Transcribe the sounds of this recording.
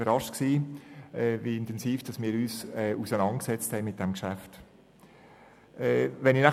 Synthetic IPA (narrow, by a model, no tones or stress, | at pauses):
əɾɑʃtksiːɛːviɪntɛnsiːfd̥ɑsmɪːɾyːsɛusənɑnt̚ksɛt͡sthɛɪmɪt̚d̥ɛmkʃæft | ɛːʋɛnɪnæ